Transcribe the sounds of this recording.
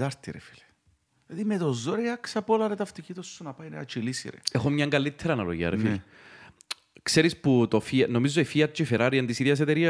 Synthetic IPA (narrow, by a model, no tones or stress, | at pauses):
t̪ɐɾt̪ːiɾefi̥l | lɐðimet̪ozːoɾeɐksɐpolɐɾet̪ɐft̪icit̪osːunɐpajneɐ̰t͡ʃilisḭɾḛexomɲɐŋɡɐlːit̪ʰːeɾɐːnɐlo̰ʝiɐ̰ɾefil | kseɾisput̪ofiɐnomizːoifiɐt͡ʃːeifeɾaɾiɐnt̪isiðjɐs̬et̪eɾiɐ